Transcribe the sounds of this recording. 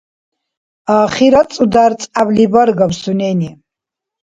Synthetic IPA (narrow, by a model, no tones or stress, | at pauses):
aːχiɾat͡sʼud̪aɾt͡sʼablibaɾɡabsunɛni